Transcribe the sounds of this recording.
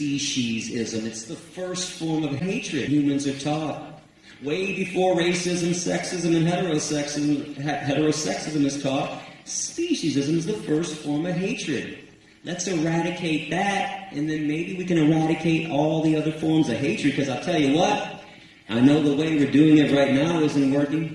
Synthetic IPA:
piʃizɪzɨ̃mɨtsðəfɜ˞stfɔɹmʌv̥eɪt͡ʃɹ̥ɨd̚hjʉmɨ̃nzə˞tʰɔt̚ | weɪbɨfɔɹɹeɪsɪzɨ̃msɛ̰ksɪzɨ̃mɨ̃nɦɛɾə˞oʊsɛkshɛɾə˞oʊsɛksɨzɨ̃mɨz̥tʰɔt̚spiʃɨzɨzɨ̃mɨzðəfɜ˞stfɔɹmʌv̥ɦeɪt͡ʃɹ̥ɨ̰d̚ | lɨtsəɹæɾɨkʰeɪt̪̚ðɨɾʔɨ̃nðɨ̃nmeɪbiwikɨ̃ñəɹæɾɨkʰeɪɾɔlˠðiʌðə˞fɔɹmzʌv̥ɦeɪt͡ʃɹ̥ɨd̚kʰʌzaɪlˠtʰɛlˠjɨwʌt̚ | ʔaɪnoʊðəweɪwɨɹdʉɪ̃ŋɨt̚ɹaɪtⁿnaʊʌzɨ̃nwɜ˞kɪ̃ŋ

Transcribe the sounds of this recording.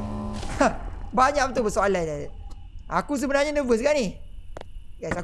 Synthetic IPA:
baɲaʔkpət̪ʊʔbəsoalaida | akus̬əbənarɲanəvəs̬kani | ɡasa

